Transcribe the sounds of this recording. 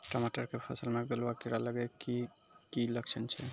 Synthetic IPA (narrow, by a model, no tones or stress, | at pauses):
ʈəmaʈəɾkepʰɔsəlmeɡəlwakiɾaləɡɛkikiləkt͡ʃʰənt͡ʃʰɛ